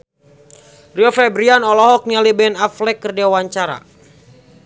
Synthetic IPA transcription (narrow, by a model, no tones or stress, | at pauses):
riɔfɛbɾianɔlɔɦɔk̚nialibɛnaflɛkːərdeawaɲt͡ʃaɾa̰